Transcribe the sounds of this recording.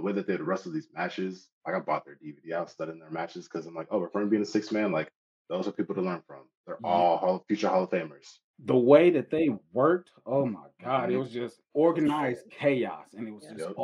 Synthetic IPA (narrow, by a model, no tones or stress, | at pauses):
ðəweɪðɨt̪̚ðeɨdəɹɛstʌvðizmæt͡ʃɪz̥laɪkaɪbɔt̪̚ðə˞dividiaʊtstʌɾiɪ̃ŋðə˞mæt͡ʃɨz̥kʰʌzãɪ̃mlaɪkoʊwəɹkʰɜ̃˞nbiɪ̃ŋɨsɪksmæ̃nlaɪk | ðoʊz̥ə˞pʰipl̩ˠɾəlɜ̃˞nfɹʌ̃mðə˞ɔlˠhɔlˠʌ̥fjʉt͡ʃə˞hɑlˠoʊfẽɪ̃mə˞z̥ | ðəweɪðɨt̪̚ðeɪwɜ˞k̚t | oʊmaɪɡɑɾɪt̚wʌzd͡ʒʌstɔɹɡɨnaɪz̚kʰeɪɑ̰sɨ̃nɨt̚wʌzʌ